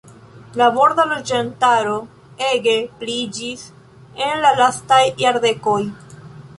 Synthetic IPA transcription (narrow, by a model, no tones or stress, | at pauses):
lavo̞ɾdalo̞d͡ʒantaɾo̞ | e̞ɡe̞plid͡ʒis | e̞nlalastajːaɾde̞ko̞j